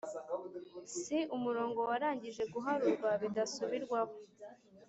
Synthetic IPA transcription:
siumuɾo̞ːŋɡo̞waɾaːɲɟiʒe̞ɡuɦaɾuɾɡwaβidasuβiɾɡwaho

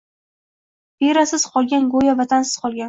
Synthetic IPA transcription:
beɾasɪz̥qʰɒlˠɡʲanɡojavat̪ʰansɪz̥qʰɒlˠɡʲan

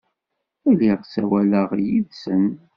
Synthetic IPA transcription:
æliʁsæwæləʁjiðsən

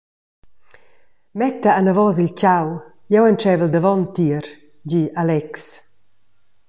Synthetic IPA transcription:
mɛt̪aanavɔzilt͡ɕaw | jɛwɛnt͡ʃɛvəld̪əvɔnt̪iəɾ | ɟialɛks

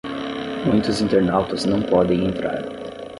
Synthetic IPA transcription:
mũj̃t̪ʊzĩnt̪eɾnawt̪ɐznɐ̃w̃pɔd̪ẽj̃ẽnt̪ɾa̰ɾ

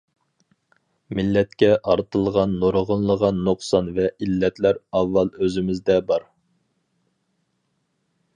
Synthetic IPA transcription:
mɪlːɛt̪̚kʲɛʔɑɾt̪əlˠʁɑnːoɾəʁənlˠəʁɑnːuqsɑnvɛilːɛt̪læɾɑvːɑlˠøzɪmɪzd̪ɛbɑɾ

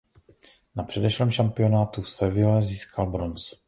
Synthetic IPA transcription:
napr̥ɛdɛʃlɛmʃampɪonaːt̪ufsɛvɪlɛziːskʰalbɾo̞ns

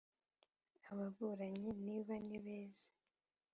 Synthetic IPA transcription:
aβaβuɾaɲiniːβaniβeːze̥

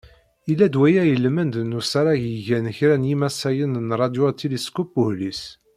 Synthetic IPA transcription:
ilːæd̪wæjæjəlmənd̪nusæɾˤæʝjiʝænəçɾænjimæsæjənnɾˤɑd̪jot̪iliskupːuhlis

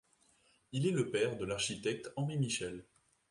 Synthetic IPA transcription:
ilɛləpɛʁd̪əlaʁʃit̪ɛk̚t̪ɑ̃ʁimiʃɛl

